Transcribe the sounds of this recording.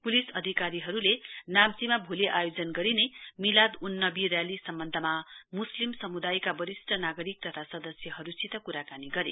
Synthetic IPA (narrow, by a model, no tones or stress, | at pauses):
pulisʌd̪ʱikaɾiɦʌɾulenamt͡simabʱuleʔajod͡zʌnɡʌɾinemilad̪unːʌbirjalisʌmbʌnd̪ʱʌmamuslimsʌmud̪ajkabʌɾisʈʰʌnaɡʌɾik̚t̪ʌt̪ʰasʌd̪ʌsjʌɦʌɾusit̪ʌkuɾakaniɡʌɾḛ